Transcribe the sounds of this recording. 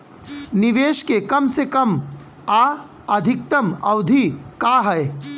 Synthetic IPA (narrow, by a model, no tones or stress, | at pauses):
nɪʋeːʃkekɐmsekɐm | aː | ɐd̪ʱɪk̚t̪əmɐʊd̪ʱikaɦɛe